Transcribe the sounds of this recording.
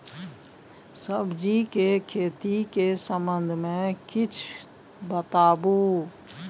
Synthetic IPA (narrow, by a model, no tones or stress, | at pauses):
səbd͡ʒikekʰeːt̪ikesə̃mbə̃nd̪ʱmẽkɪt͡ʃʰ | bət̪aːbu